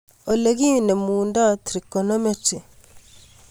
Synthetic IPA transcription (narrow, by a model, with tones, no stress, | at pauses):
o˨leɣi˦ne˨muːnda˦˨tiɾi˨konɔ˦me˦ti˨